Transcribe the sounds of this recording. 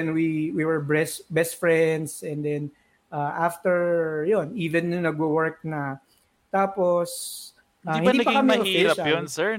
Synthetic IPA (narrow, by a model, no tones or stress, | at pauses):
ɛnwiwiwɛɹbɹɛsbɛst̪fɹɛnd̪sɛ̃nd̪ɛn | ʔaʔaft̪ɛɹjoniːvɛnjʊŋnɐɡ̚wowɛɹk̚nɐ | t̪aːpos | aihɪɐnipɐkɐmɛɛofiɛɾɐɐjonsɛɹ